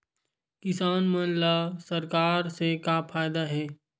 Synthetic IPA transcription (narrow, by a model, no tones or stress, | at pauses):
kɪsaːnmɐnlasɐɾkaːɾsekaːpʰaːɪd̪aɦɛː